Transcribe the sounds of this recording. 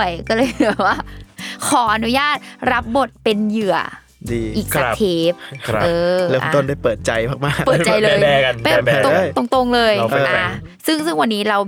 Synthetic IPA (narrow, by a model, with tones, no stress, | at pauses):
əjkɔː˥˩lɤː˧jbɛː˨˩p̚waː˥˩kʰɔː˩˦ʔa˧nu˦˥jaː˥˩t̪̚ɾa˦˥p̚bo˨˩t̪̚pe˧njɯ˨˩ɐ | diː˧ʔiː˨˩k̚a˧t̪ʰeː˦˥p̚ʔɤː˧lɛː˦˥ʔaɔ̰˧t̪o˥˩nda˥˩jpɤː˨˩t̪̚t͡ɕa˧jmʰaː˥˩k̚maː˥˩k̚pɤː˨˩t͡ɕaː˨˧jlɤː˧ɛː˧pa˧˨˧t̪o˧t̪o˧ŋt̪o˧ŋlɤː˧jʔa˧˩ | sɯ˥˩ŋsɯ˥˩ŋwa˧nːiː˦˥ɾa˧w